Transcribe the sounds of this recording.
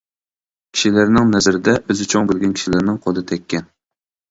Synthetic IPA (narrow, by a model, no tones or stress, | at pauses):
kʲʰi̥ʃilæɾnɪŋnɛzɪɾɪd̪ɛʔøzɪt͡ʃʰoŋbɪlɡʲɛnkʲʰi̥ʃilɪɾnɪŋqʰolˠɨt̪ʰɛkʲːɛn